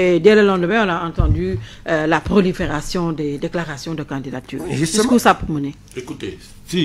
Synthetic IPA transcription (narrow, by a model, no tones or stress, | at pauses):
ed̪ɛləlɑ̃d̪əmɛ̃ɔ̃naɑ̃t̪ɑ̃d̪y | lapχolifeʁasjɔ̃d̪ed̪eklaʁasjɔ̃d̪əkɑ̃d̪id̪at̪y̰ːʁʒsʒiskusapuʁməne | ekut̪e | si